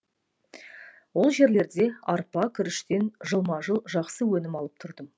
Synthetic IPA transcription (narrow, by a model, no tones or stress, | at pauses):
wo̞lˠʒe̞ɾle̞ɾd̪e̞ɑɾpɑkʲʰʏɾɪʃt̪e̞nʒəlˠmɑʒəlˠʒɑqsəwɵnɪmɑlˠəp̚t̪ʰʊɾd̪əm